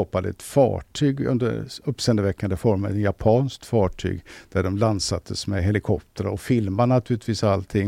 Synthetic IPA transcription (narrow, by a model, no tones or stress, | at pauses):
ɑːpad̪əɛ̰t̪fɑ̰ːʈʰyːɡɵ̰nd̪ə̰ɾɵpːsɛnd̪əvɛkːand̪əfɔɾmaɛ̰t̪japʰɑːnskt̪fɑːʈʰy̰ːɡd̪̥æɖɔmland̪sat̪ʰːəsmɛɦɛlɪkʰɔp̚t̪ʰəɾɔfɪlmaɳat̪ʰʉːlɪt̪ʰviːsalt̪ʰɪŋ